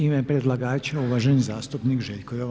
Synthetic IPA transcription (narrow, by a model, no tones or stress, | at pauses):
imɛpɾed̪laɡaːt͡ʃeuʋaʒenzaːst̪upnikʒeʎʲkojoʋ